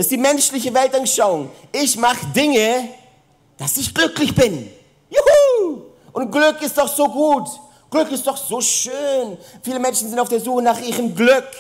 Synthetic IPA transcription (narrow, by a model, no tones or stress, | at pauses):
d̥astd̥iːmɛnʃlɪçəvɛltanʃaʊʊŋɪçmaχədɪŋə | d̥asɪçɡ̥lʏklɪçb̥ɪn | ju | ʔʊnt̚ɡ̥lʏkɪstd̥ɔχz̥oːɡuːt | ɡ̥lʏkɪstd̥ɔχz̥oːʃøːnfiːləmɛnʃn̩zɪntaʊfd̥eːɐzuːxənaχʔiːʁəmɡlʏk